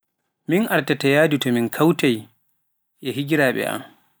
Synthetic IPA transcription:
minʔaɾtatajaːdutɔminkʰawtaj | ʔɛɦid͡ʒiɾaːɓɛ̰ʔa̰m

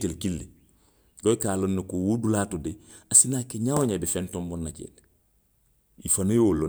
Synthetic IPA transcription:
telkilːi | ɡojkaːlonːikuwudulaːtudiasinakeɲawoɲabifɛntɔmbɔnːacḛl | ifanojolo

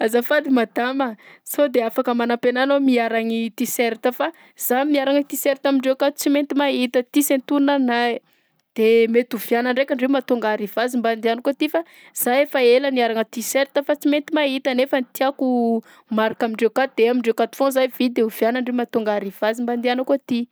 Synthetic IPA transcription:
azafad̪imad̪aməsod̪eafakəmanapenanomiaɾaŋit̪iseɾit̪əfa | z̥amiaɾaŋət̪iseɾit̪amiɳɖ͡ʐekat̪u̥t͡siment̪imait̪ət̪isent̪unana | d̪̥emet̪uv̥janəɳɖ͡ʐekʲaɳɖ͡ʐeumat̪uŋɡaɾiv̥azimband̪ianəkut̪ifa | z̥ajefaeləniaɾaŋət̪iseɾit̪əfat͡siment̪imait̪ənefənit̪iaku | maɾakamiɳɖ͡ʐekat̪̚d̪eamiɳɖ͡ʐewkat̪u̥fõzajvid̪euvjanaɳɖ͡ʐemat̪uŋɡaɾiv̥azimband̪ianəkut̪i

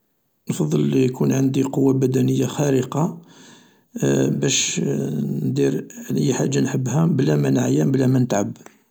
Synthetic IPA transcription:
nfɑd̪ˤːəlːijkunʕənd̪iqowːabæd̪ænəjːaxæɾəqɑ | bæʃ | nd̪iɾəjːħaʒːanħəbːhæblæmænʕajæmblæmænət̪ʕabːəɾ

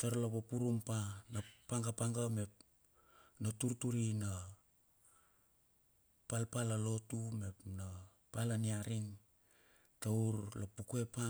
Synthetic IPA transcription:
toɾlaβopuɾumpanapaŋɡapaŋɡame̞p̚ | natuɾtuɾina | palpalalo̞tume̞pna | palaniaɾiŋ | tawɾlapukue̞pa

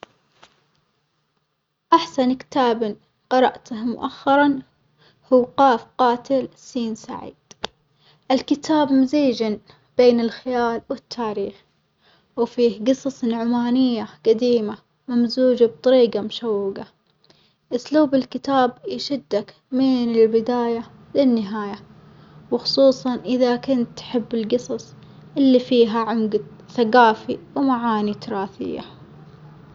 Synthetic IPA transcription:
ʔaħsankɪ̥t̪aːbɪn | qɑɾˤɑʔt̪ahmʊʔaxːɑɾˤɑn | huːqɑːfqɑːt̪ɪlsiːnsa̰ʕḭːd̪̥ | ʔɪlkɪt̪ʰaːbmʊziːd͡ʒɪn | b̥eːnɪlxɪjaːlwɪt̪ʰːaːɾiːx | wfiːhɡɨsˤɑsˤnʕʊmaːnɪjːaqad̪iːma | mamzuːd͡ʒab̚t̪ˤɑɾiːɡamʊʃawːɪɡa | ʔʊsluːbɪlkɪt̪aːbjɪʃɪd̪ːak | mɪnɪlbɪd̪aːja | lɪnːɪɦaːja | wxʊ̥sˤuːsˤɑnʔɪðakʊnt̪ːħɪbːɪlɡɨsˤɑsˤ | ʔɪlːifiːɦaʕʊmɡa | θaɡaːfiwmaʕaːnit̪ʊɾˤɑːθɪ̰jːa̰

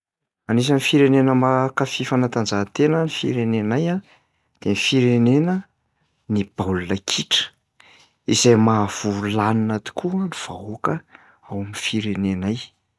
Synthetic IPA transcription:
anis̬anifiɾenenəmakafifanat̪and͡zaɦt̪enənifḭɾenenaja | d̪̥enifiɾenenə | nib̥awlunəkʰiʈ͡ʂə̥ | izajmav̥ulaninat̪i̥kuaniv̥aokə | awamifiɾenenaj

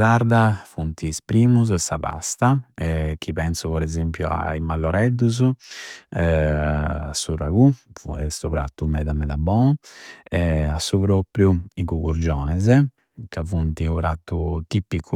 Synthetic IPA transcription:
saɾd̪afunt̪ispɾiːmuzsaba̰st̪aɛk̟ʰːipɛnsupɔɾɛzempjua̰imalːɔɾɛd̪ːuz | asːuraɡuɛst̪upɾa̰t̪ːumɛd̪amɛd̪abɔ | ɛasːupɾopɾjuikukuɾd͡ʒɔːnɛzɛ | kavunt̪iupɾat̪ːut̪ipːikʰːu

